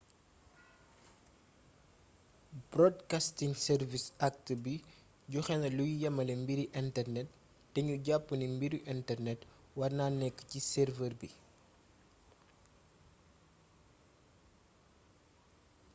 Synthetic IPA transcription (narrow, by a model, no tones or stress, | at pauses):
b̥rɔdkastiŋsɛrvisak̚təbi | ɟuxɛnɐlujjɐmɐlɛmbiɾiʔɛntɛrnɛtː | ɛɲuɟapːənimbiɾiʔɛntɛrnɛt | wɐrnaːnɛkːə̥cisɛrvərbi